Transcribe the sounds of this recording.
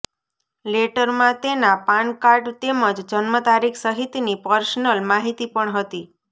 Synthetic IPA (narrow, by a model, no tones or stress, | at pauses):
leʈəɾmãt̪enapankaɾɖt̪eməd͡ʒd͡ʒənmət̪aɾikʰsəɦit̪inipəɾsnəlmaɦit̪ipəɳɦət̪i